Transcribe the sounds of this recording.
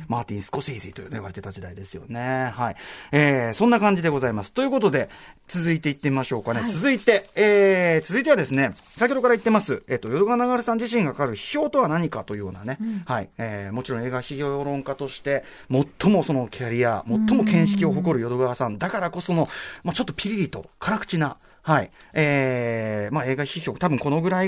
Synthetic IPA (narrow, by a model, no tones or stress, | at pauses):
maːt̪ʲĩɰ̃sɨ̥ko̞siːziːt̪o̞jɯ̟ːnojɯβaɾe̞t̪e̞t̪ad͡ʑid̪aid̪e̞sɨjo̞̰ne̞haieːsõ̞nːakãɲd͡ʑid̪e̞ɡo̞zaimasɨ̥t̪o̞jiɯ̟ko̞t̪o̞d̪e̞t͡sɨzɨit̪e̞it̪ːemimaɕo̞ːkane̞t͡sɨzɨit̪e̞eːt͡sɨzɨit̪e̞βad̪e̞sɨne̞ | saikʲːehod̪okaɾait̪ːe̞masɨeːt̪ːo̞jo̞d̪o̞ɡaanaɡaɾɯsãɲd͡ʑiɕĩŋɡakʰḁkaɾɯ̟çi̥çʲo̞ːt̪o̞βanaɲ̟ikat̪o̞j̟joːnane̞haieːmo̞t͡ɕiɾõe̞ːɡaçiço̞ːoːɾõ̞ŋkat̪o̞ɕi̥t̪e̞ | mo̞t̪ʰːo̞mo̞so̞no̞kʲʰaɾʲia̰mo̞t̪ːo̞mo̞kẽ̞ɰ̃ɕi̥kʲio̞ɦo̞ko̞ɾɯ̟jo̞d̪o̞ɡaβasãnd̪akaɾako̞so̞no̞mat͡ɕo̞t̪ːo̞pʲiɾʲiɾʲit̪o̞̰kʰaɾakɯ̟̥t͡ɕina | haieː | mae̞ːɡaçiço̞ːt̪abɯ̟̃ŋko̞no̞ɡɯ̟ɾai